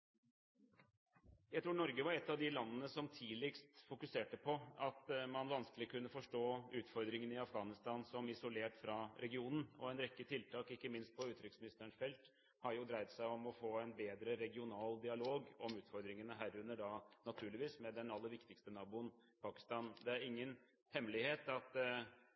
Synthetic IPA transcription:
jæɪt̪ʰɾuːɳɔɾɡəʋɑɾɛt̪ːɑʋd̪ɪlɑnːənəsɔmt̪ʰiːlɪkst̪fʊkʉseːʈəpʰɔɑt̪mɑnʋɑnsklɪkʰʉnːəfɔʂʈoːʉːt̪fɔɾd̪ɾɪŋənɪɑfɡɑːnɪst̪ɑːnsɔmɪsʊleːʈfɾɑɾʔɛɡɪuːnn̩ɔ̰ɛnɾɛkːət̪ʰɪlt̪ʰɑːkɪkːəmɪnst̪̚pʰɔʉːt̪ɾɪksmɪnɪst̪əɾəɳʂfɛlt̪ | hɑɾjʊd̪ɾæɪt̪sæɪɔmɔfoːænbeːd̪ɾəɾɛɡɪʊnɑːld̪ɪɑloːɡɔmʉːt̪fɔɾd̪ɾɪŋənəɦæːɾʉnːəɖɑnɑt̪ʰʉːɭɪʋiːsmɛd̪ɛnɑlːəɾʋɪkt̪ɪkst̪ənɑːbʊənpʰɑːkɪ̥st̪ɑːnd̪ɛæɾɪŋːən | hɛmːlɪheːt̪ɑt̪

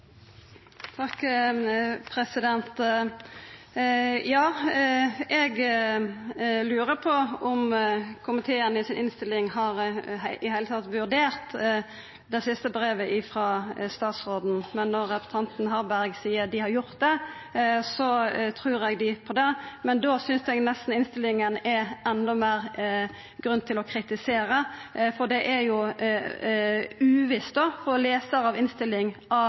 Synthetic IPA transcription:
t̪ʰɑkː | pʰɾɛsɪd̪ɛnt̪ | jɑː | ɛɡ | lʉːɾəpʰɔɔmkʰʊmɪt̪ʰeːənəɪsɪnʔɪnst̪ɪlɪŋhɑɾɦʔɪhæɪlət̪ʰɑt̪ʋʉʁd̪eːɾt̪ | d̪ɛɪsɪst̪əbɾeːʋəʔɪfɾɑːst̪ɑːt̪sɾoːd̪n̩mɛnːɔɾːɛpə̥t̪ɑnt̪n̩ɦɑɾbæɾɡsiːəɾd̪ɪhɑɾjʊɾt̪̚d̪ɛ | sɔt̪ʰɾʉːɾɛɡd̪ɪpʰɔd̪ɛmɛnd̪oːsʏnsɛɡnɛst̪n̩ɪnst̪ɪlːɪŋənɛɾɛnd̪ɔmeːɾ | ɡɾʉnt̪ʰɪlɔkʰɾɪt̪ɪseːɾəfɔd̪ɛʔæɾjʊ | ʉːʋɪst̪̚d̪ofɔleːsəɾɑʋɪnst̪ɪlːɪŋɑ

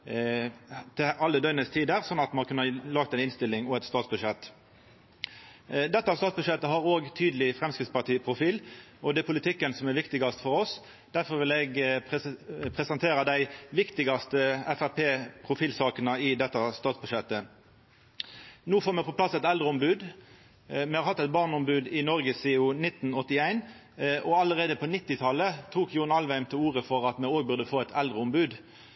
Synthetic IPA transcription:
t̪ʰɪɑlːəd̪œʏnəst̪ʰiːd̪əɾsɔnːɑt̪mɑnkʉnəlɑːɡ̚t̪æɪnɪnst̪ɪlːɪŋɔɛt̪st̪ɑːt̪sbʉʂɛt̪ː | d̪ɛt̪ːɑst̪ɑːt̪sbʉʂɛt̪ːəɦɑɾoːɡt̪ʰyːd̪əlɪfɾɛmskʁɪt̪spɑt̪ʰiːpʰʁʊfiːlɔd̪ɛpʰʊlɪt̪ʰɪkːənsɔmɛɾʋɪkt̪ɪɡɑst̪fɔɾɔs | d̪̥æʁfɔɾʋɪlɛːɡ | pʰʁɛsɑnt̪ʰeːɾəd̪æɪʋɪkt̪ɪɡɑst̪əɛfæʁpʰeːpʰʁʊfiːlsɑːkənəɪd̪ɛt̪ːɑst̪ɑːt̪sbʉʂɛt̪ːə | nuːfoːʁmɛpɔplɑsɛt̪ɛld̪ʁəɔmbʉːd̪ | mɛhɑɾhɑt̪ːɛt̪̚bɑːʁnɔmbʉːd̪ɪnɔʁɡəsɪʊnɪt̪ːn̩ɔt̪ːɪæɪn | ʔɔɑləʁeːd̪əpʰɔnɪt̪ːɪt̪ʰɑlət̪ʰuːkjʊnɑlʋæɪmt̪ʰɪluːʁəfɔʁɑt̪mɛoːɡ̚bʉʁd̪əfoːɛt̪ʰɛld̪ʁəɔmbʉːd̪

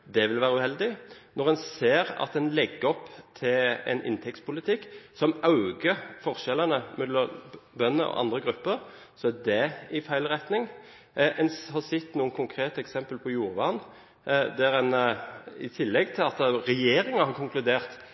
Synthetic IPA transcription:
d̪ɛʋɪlʋæːʁəʉːhɛld̪ɪnɔʁɛnseːɾɑ̰t̪ɛnlɛɡːəɔpːt̪ʰɪɛ̰nʔɪ̰nt̪ʰɛk̚t̪spʰʊlɪt̪ʰɪkːsɔmɑʉɡəfɔʁʃɛlənəmɛllɔbœnːə̰ʔɔ̰ʔɑ̰nd̪ʁəɡʁʉpːəʁsɔæd̪ɛɪfæɪlʁɛt̪nɪŋ | ʔɛnhɑsɪt̪ːnuːənkʰʊŋkʰʁeːt̪əɛksɛmpəlpʰɔjuːɾʋɑːn | d̪æɾɛnɪ̰t̪ʰɪlːɛɡt̪ʰɪlɑt̪ʁɛjeːɾɪŋɑhɑʁkʰʊŋklʉd̪eːʁt̪

